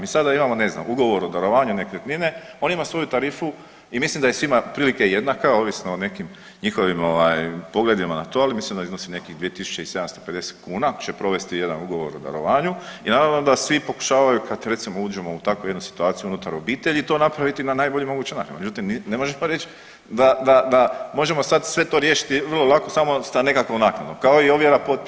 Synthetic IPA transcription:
miːsad̪aimamo̞ne̞zna̰muɡo̞ʋoɾod̪aɾo̞ʋaːɲunekeet̪nine̞o̞nimasʋo̞jut̪aɾiːfu | imislimd̪aje̞sʋimapɾiːlikeje̞d̪nakao̞ʋisnoːne̞kim | ɲixo̞ʋimo̞ʋaːjpo̞ɡle̞d̪imanat̪o̞alimislimd̪aiznosimne̞kiɣd̪iet̪isu̥t͡ɕe̞ise̞d̪amst̪ope̞d̪e̞se̥t̪kuːnakt͡ʃe̞pɾo̞ʋe̞st̪ije̞d̪anuɡo̞ʋo̞ɾo̰d̪a̰ɾo̞̰ʋaːɲuinaːɾaʋno̞d̪asʋipo̞ku̥ʃaːʋajukʰad̪ɾe̞t̪simouːd͡ʒe̞mo̞ut̪akuje̞d̪nusi̥t̪uaːt̪ijuunut̪aɾo̞biːt̪e̞ʎit̪o̞ːnapɾaʋit̪inanaːjbo̞ʎimo̞ɡuːt͡ɕenak̪ɾime̞d͡ʒut̪imnine̞mo̞ʒe̞moɾe̞t͡ɕ | d̪ad̪ad̪amo̞ʒe̞mo̞sad̪sʋe̞t̪o̞ɾje̞ːʃi̥t̪iʋərlˠo̞lˠako̞samo̞st̪ane̞kakʋonaknad̪nokaoio̞ʋjeɾapot̪̚

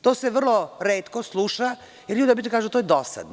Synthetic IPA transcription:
t̪oːseʋr̩lˠoɾeːt̪koslˠuːʃa | jeɾʎuːd̪ijabit̪kaːʒud̪at̪ojd̪osa̰d̪n

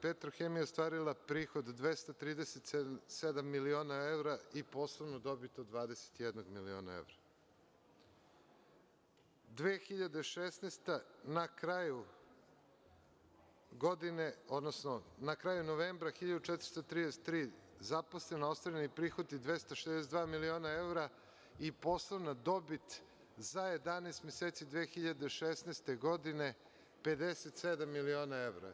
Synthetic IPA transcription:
pet̪ɾoxemijeost̪ʋaːɾilˠapɾiːxod̪d̪ʋest̪at̪ɾiːd̪eset̪sesed̪amːilio̞ːnaevɾaipo̞slˠoʋnod̪o̞bit̪od̪ʋaːd̪ese̥t̪ijed̪noɡmilio̰ːna̰ḛʋɾa | d̪ʋeːxiʎad̪eʃesneːst̪anakɾaju | ɡo̞d̪ineod̪nosnonakɾaːjunoʋeːmbɾaxiʎad̪ut͡ʃɛt̪ɾ̥st̪ot̪ɾiːd̪ese̥t̪ːɾiːzaposlenaost̪vaɾenipɾiːxot̪id̪ʋest̪aʃed̪es̬et̪d̪vaːmilio̞ːnaevɾa | ipo̞slˠoʋnad̪o̞bit̪ | zajed̪aneːst̪mjeseːt̪sid̪ʋeːxiʎad̪eʃesneːst̪e̞ɡo̞d̪ine̞ | ped̪eset̪sed̪amːilio̞ːnaeʋɾa̰

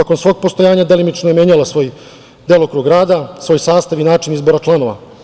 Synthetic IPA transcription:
ako̞nsʋo̞ːɡ̚po̞st̪o̞jaːɲad̪e̞limit͡ʃnojemjeɲalˠasʋo̞ːj | d̪eːlˠokɾuːɡɾaːd̪asʋo̞ːjsaːst̪aʋinaːt͡ʂinizbo̞ɾat͡ʂlˠano̞ʋa̰

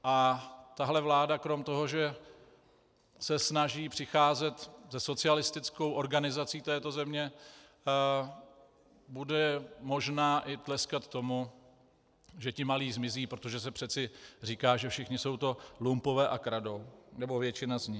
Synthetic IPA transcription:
ʔat̪aɦlɛvlaːdakɾo̞mt̪o̞ɦo̞ʒɛ | sɛsnaʒiːpr̥ɪxaːzɛt̪zɛso̞t͡sɪalɪst̪ɪt͡sko̞wʔo̞ɾɡanɪzat͡siːt̪ɛːt̪o̞zɛmɲɛ | budɛmo̞ʒnaːʔɪt̪lɛskat̪t̪ːo̞mu | ʒɛcɪmaliːzmɪziːpɾot̪o̞ʒɛs̬ɛpr̝̥ɛt͡sɪr̝iːkaːʒɛfʃɪxɲɪso̞wt̪o̞lumpo̞vɛːʔakɾado̞wnɛbo̞vjɛt͡ʃɪnazɲɪ

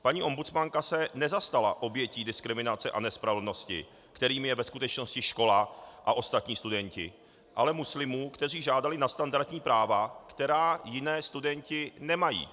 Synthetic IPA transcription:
paɲiːʔo̞mbut͡smaŋkasɛnɛzast̪ala̰ʔo̞bjɛciːdɪskɾɪmɪnat͡sɛʔa̰nɛspɾavlno̞scɪ̰ | kt̪ɛɾiːmjɛvɛskut̪ɛt͡ʃno̞scɪʃko̞laʔaʔo̞st̪at̪ɲiːst̪udɛɲcɪ̰ | ʔalɛmuslɪmuːkt̪ɛr̝iːʒaːdalɪnast̪andaɾt̪ɲiːpɾʔaːvakt̪ɛɾaːjɪnɛːst̪udɛɲcɪnɛmajḭː

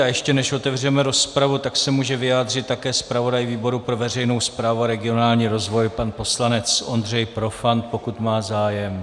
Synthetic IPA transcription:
ajɛʃcɛnɛʃo̞t̪ɛvr̝ɛmɛɾo̞spɾavut̪aksɛmuːʒɛvɪjaːd̪r̝ɪt̪tːakɛːspɾavo̞dajviːbo̞ɾupɾo̞vɛr̝ɛjno̞wspɾaːvuaɾɛɡɪo̞naːlɲiːɾo̞zvo̞jpanpo̞slanɛt͡so̞nd̪r̝ɛjpɾo̞fant̪po̞kut̪maːzaːjɛm

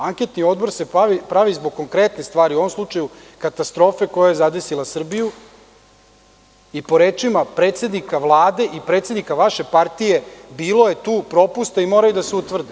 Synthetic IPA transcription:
aŋke̞t̪nio̞d̪bo̞ɾse̞aʋipɾaʋizboɡ̚kːo̞ŋkɾe̞t̪nest̪ʋaːɾiuo̞ʋo̞mslˠut͡ʂaju | kat̪ast̪ɾo̞ːfe̞ko̞jaje̞zad̪e̞silˠasr̩biju | ipo̞ɾe̞ːt͡ʂimapɾe̞ːt̪se̞d̪nikaʋlˠaːd̪e̞ʔipɾet̪sʲed̪nikaʋaʃe̞paɾt̪ije̞biːlo̞je̞t̪uːpɾo̞pust̪aimo̞ːɾajud̪aseut̪ʋr̩d̪i

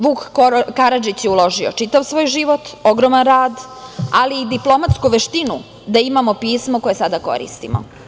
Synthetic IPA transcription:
ʋuːkkaɾad͡ʒit͡ɕjeulo̞ʒio̞̰t͡ʃit̪aʋsʋoːjʒiʋo̞t̪o̞ɡɾo̞ːmanɾaːd̪aliːd̪iplˠo̞mat̪skuʋeʃt̪inu | d̪aimamo̞piːsmo̞ko̞je̞sad̪ako̞̰ɾḭst̪ḭmo̰

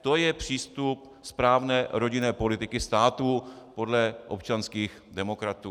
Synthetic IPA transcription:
t̪ojɛpr̝̥iːst̪up̚ | spɾaːvnɛːɾo̞ɟɪnɛːpo̞lɪt̪ɪkɪst̪aːt̪uːpo̞dlɛʔopt͡ʃanskiːx | dɛmo̞kɾat̪uː

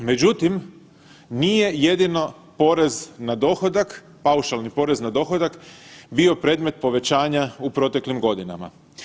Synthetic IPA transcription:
me̞d͡ʑut̪im | nije̞je̞d̪ino̞ | po̞ɾe̞znad̪o̞xod̪ak | pauʃalˠnipo̞ːɾe̞znad̪o̞xod̪akbio̞pɾe̞ːd̪met̪̚po̞ʋe̞t͡ɕaːɲaupɾo̞t̪e̞klimɡo̞d̪ina̰ma̰

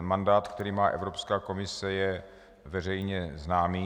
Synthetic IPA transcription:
mandaːt̪kt̪ɛɾiːmaːʔɛ̰vɾo̞pskaːko̞mɪsɛjɛ | vɛr̝ɛjɲɛznaːmiː

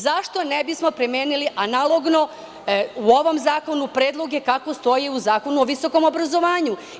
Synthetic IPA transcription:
zaʃt̪o̞nebismo̞pɾemjeːniliʔanalˠo̞ɡno̞ | uoʋo̞mzaːko̞nupɾe̞ːd̪lˠo̞ɡe̞kako̞st̪o̞jiuzaːko̞nuoʋiso̞ko̞mo̞bɾazo̞ʋaːɲu

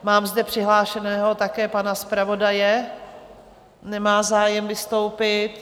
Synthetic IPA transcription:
maːmzdɛpr̝̥ɪɦlaːʃɛnɛːɦot̪akɛːpanaspɾavo̞dajɛ | nɛmaːzaːjɛmvɪst̪o̞wpɪt̪

